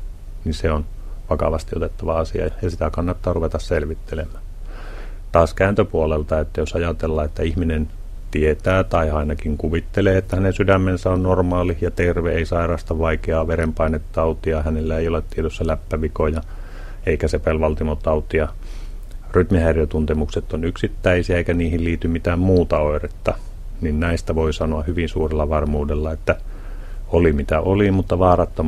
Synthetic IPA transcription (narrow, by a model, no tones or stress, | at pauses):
niseon | ʋɑkɑʋɑst̪iot̪et̪ːɑʋɑɑsiɑ̰ɑjɑsit̪ækɑnːɑt̪ːɑːruʋet̪ɑsselʋit̪ːelemˑæː | t̪ɑːskæːnt̪øpuolelt̪ɑet̪ːæjosɑjɑt̪elːɑːet̪ːæihminen | t̪iet̪æːt̪ɑiɑinɑkiŋkuʋit̪ːeleːet̪ːæhænensydæmːensæonnormɑːlijɑt̪erʋeeisɑirɑːst̪ɑʋɑikeɑːʋeɾempɑinet̪ːɑut̪iɑhænelːæeijolet̪t̪ːiet̪øsːælæpːæʋikojɑ | eikæsepelʋɑlt̪imot̪ɑut̪iɑ | ryt̪mihæirjæt̪unt̪emukset̪ːonyksit̪ːæisiæeikæniːhilliːt̪ymit̪æːmmuːt̪ɑoˑiret̪ːɑ | ninnæist̪æʋoisɑnoɑhyʋinsuːrelːɑʋɑrmuːdelːɑet̪ːæ | olimit̪æolimut̪ːɑʋɑːrɑt̪ːo